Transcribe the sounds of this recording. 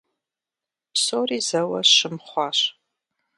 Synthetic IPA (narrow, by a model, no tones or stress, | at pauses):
psoriːzɐwɐɕɨmχʷɑːɕ